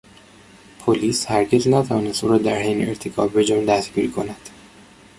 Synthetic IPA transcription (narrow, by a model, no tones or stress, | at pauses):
pʰoliːshæɾɟeznæt̪ʰævɒːnest̪uːɾɒːd̪æɾɦejneeɾt̪ʰekʰɒːbbe̞d͡ʒɒnd̪æsɟiːɾkʰo̞næd̪̥